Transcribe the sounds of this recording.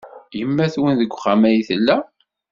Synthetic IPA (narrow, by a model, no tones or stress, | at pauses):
jəmːæθwənðəɡʷːχæmæjiθəlːæ